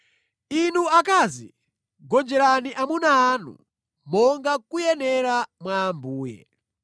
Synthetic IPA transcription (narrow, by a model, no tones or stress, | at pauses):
inuakaːzi | ɡɔnd͡ʒɛɾaniʔamunaːnṵ | mɔŋɡakujɛnɛɾamwaːmbuːjɛ̰